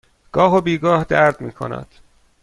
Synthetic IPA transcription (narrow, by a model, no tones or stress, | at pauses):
ɡ̥ɒːɦobiːɡɒːhd̪æɾd̪̥miːkʰo̰næ̰d̪̥